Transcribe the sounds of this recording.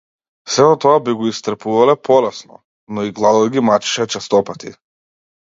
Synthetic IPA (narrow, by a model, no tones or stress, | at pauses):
sɛɔt̪ɔabiɡɔist̪ɾ̩puvalɛpʰɔlɛsnɔ̰ | nɔiɡlˠad̪ɔd̪ɡimat͡ʃi̥ʃɛt͡ʃɛst̪ɔpat̪ḭ